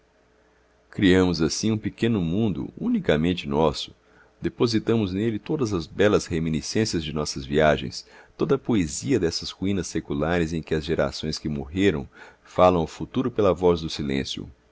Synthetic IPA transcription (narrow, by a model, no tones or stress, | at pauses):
kɾiɐ̃mʊzasĩũpekẽnʊmũnd̪ʊ̰ũnikɐmẽnt͡ʃɪnɔsʊ̥ | d̪̥epozit̪ɐ̃mʊznelɪt̪od̪ɐzɐzbɛlɐzhemĩnisẽsiɐzd͡ʒɪnɔsɐzviaʒḛ̃j̃st̪od̪ɐpoeziɐd̪ɛsɐshuĩnɐsːekulaɾɪzẽj̃kɪɐzʒeɾa̰sõj̃skɪmoɦeɾɐ̃w̃ | falɐ̃w̃ʊfut̪uɾʊpelɐvɔzd̪ʊsilḛ̃sjʊ̰